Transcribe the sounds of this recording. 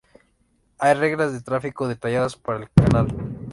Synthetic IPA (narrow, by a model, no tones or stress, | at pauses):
ajre̞ɣlazðet̪ɾafiko̞ðe̞t̪aʝaðaspaɾaelkanal